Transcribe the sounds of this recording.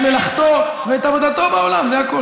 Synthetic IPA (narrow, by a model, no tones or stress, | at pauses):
melaχt̪o | veajt̪avod̪at̪o̞baolamzeako